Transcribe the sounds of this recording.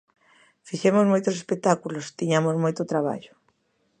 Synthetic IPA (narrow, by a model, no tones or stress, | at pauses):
fiʃemozmojt̪osespek̚t̪akulost̪iɲamozmojt̪ot̪ɾaβ̞a̰ʎʊ̥